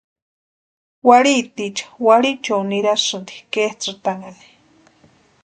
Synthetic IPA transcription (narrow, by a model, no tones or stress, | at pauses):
waɽit̪it͡ʃḁwaɽit͡ʃowniɾasɨnd̪i̥keht͡sɨt̪aŋani̥